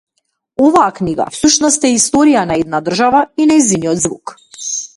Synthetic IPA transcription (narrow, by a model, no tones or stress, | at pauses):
ɔvaːkniɡa̰fsuʃnɔst̪ɛist̪ɔɾijanaɛd̪nad̪r̩ʒavainajzinijɔd̪zvṵk